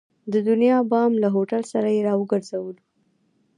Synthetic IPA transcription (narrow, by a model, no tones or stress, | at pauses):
d̪əd̪ʊnijɑbɑmlaɦoʈalsaɾajeɾɑwəɡaɾzawəlu